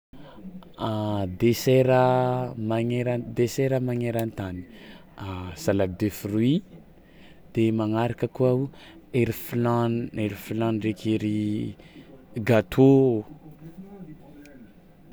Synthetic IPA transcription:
ad̪eseɾəmaŋeɾad̪eseɾəmaŋeɾant̪ani̥ | asalad̪efurui | d̪̥emaŋaɾakəkuaueɾifilaneɾifilanrekʰeɾi | ɡat̪ʰo

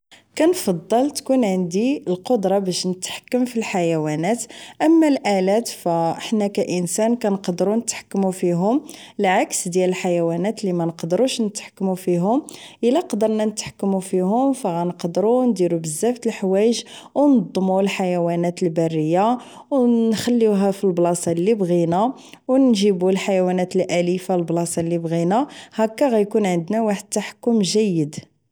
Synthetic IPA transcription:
kænfɑd̪ˤːɑlt̪kunʕənd̪iəlqod̪ɾˤɑbæʃnət̪ħḁkːəmfilħajæwænæt̪ʔəmːælʔælæt̪fæħnækæʔənsænkænqd̪əɾunət̪ħḁkːmufiɦʊməlʕaksd̪jæləlħajæwænæt̪limænəqd̪ɾuʃnət̪ħḁkːmufiɦʊmʔəlːæqd̪əɾˤnænət̪ħḁkːmufihʊmfæɣænəqd̪ɾund̪iɾubəzːæft̪əlħwæjəʒ | wnd̪ˤːmulħajæwænæt̪əlbærːəjːa | wnxælːiɦæfilblɑsˤɑlːibɣina | wnʒibulħajæwænæt̪əlʔælifalblɑsˤɑlːibɣinahækːæɣæjkunʕənd̪næwaħəd̪̚t̪ːaħə̥kːʊmʒæjːəd̪

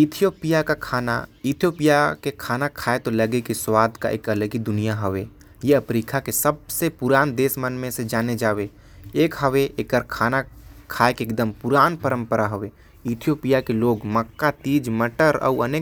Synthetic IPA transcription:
ɪt̪ʰijoːpijakakʰaːna̰it̪ʰijoːpijakekʰaːnakʰaːet̪olɐɡekiswaːd̪ʱka̰ʔḛːkɐləɡid̪ʊnijaɦəʋeː | jeəpɾiːkʰakesəb̚sepʊɾaːnd̪eːsmənmẽsed͡ʒaːned͡ʒaːʋe | eːkɦəʋeʔeːkəɾkʰaːnakʰaːekeːk̚d̪əmpʊɾaːnpəɾə̃mpəɾaɦʊʋeː | ɪt̪ʰijoːpijakeloːɡməkːat̪iːd͡ʒməʈəɾɔ̰uəneː

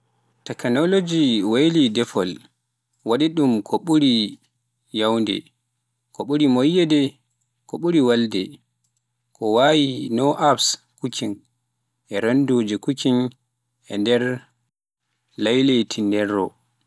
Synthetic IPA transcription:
tɛknolod͡ʒiwejlidɛfɔl | waɗiɗumkʰɔɓuɾi | jawndɛ̰ | kɔɓuɾimojːɛdɛ | kɔɓuɾiwaldɛ | kɔwajinɔʔapskukʰin | ʔɛɾondod͡ʒɛkukin | ɛndɛɾ | lajletʰindɛrːɔ̰

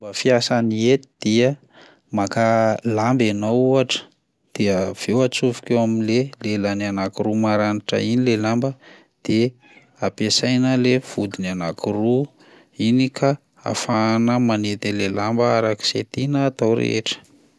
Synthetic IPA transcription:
bafiasaniet̪id̪̥iə | makalambenawuaʈ͡ʂə̥ | d̪̥iəv̥ewat͡suvu̥kewaminlelelananakiɾumaɾaniʈ͡ʂə̰inilelambə | d̪̥e | apesajnəlev̥ud̪inanakiru | inikʰa | a̰fanəmanet̪elelambəaɾaki̥set̪inəːt̪awɾḛḛʈ͡ʂə̥

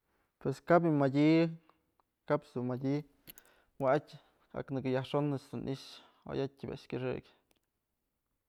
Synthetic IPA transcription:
pweskab̬imadʲi | kapsd̪umadʲi | waatʲ | a̰knɨkɨjahʂonɨt͡ʃd̪unʔḭʔʃ | o̰jat̚ʲibʲa̰ʔʂkʲɨʂɨ̰kʲ

